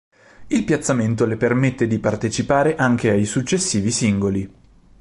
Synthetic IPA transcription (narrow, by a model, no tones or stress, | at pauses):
ilpjat̪sːament̪̬olepermet̪ːed̪ipart̪et͡ʃipaːɾeʔaŋkeajsut͡ʃːesːiːvisiŋɡoli